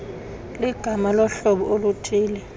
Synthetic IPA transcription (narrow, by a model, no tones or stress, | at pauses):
liɡ̥ʱamalɔɬɔɓɔolutʰʼiːlɛ